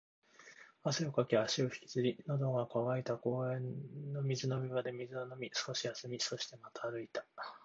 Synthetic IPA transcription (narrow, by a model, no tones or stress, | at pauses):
aseokakʲiaɕio̞çi̥kʲi̥t͡sɨɾʲinod̪o̞ɡakaβait̪ako̞ːẽ̞nːo̞mʲizɨno̞mʲiβad̪e̞mʲizɨnono̞mʲisɨ̥ko̞ɕijasɨmʲiso̞ɕi̥t̪e̞mat̪aːɾɯ̟it̪ḁ